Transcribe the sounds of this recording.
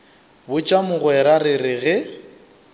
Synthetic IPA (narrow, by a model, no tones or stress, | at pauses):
bʊt͡ʃʼamʊɣwɛɾarɪrɪɣɛ